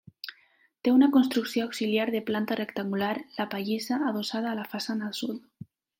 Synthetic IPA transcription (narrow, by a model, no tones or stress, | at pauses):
t̪eunakonst̪ɾuksjoawksiljaɾðeplant̪arekt̪aŋɡulaɾlapaʎesaːð̞osað̞aːlafasanalsul